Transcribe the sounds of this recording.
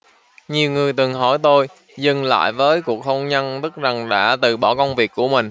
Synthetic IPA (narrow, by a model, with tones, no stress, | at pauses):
ɲi˨˩əwŋɨ˨˩əjt̪ɨ˨˩ŋɦɔ˧˩jt̪o˧j | zɨ˧˩ŋla̰ː˧˨jvəː˨˦jku˨˩ək̚ho˧wŋ͡mɲə˧nt̪ɨ˦˥k̚za˨˩ŋɗa̰ː˧˥t̪ɨ˨˩ɓɔ˧˩kə˧wŋ͡mvi˨˩ək̚ːu˧˩əmï˨˩ŋ̟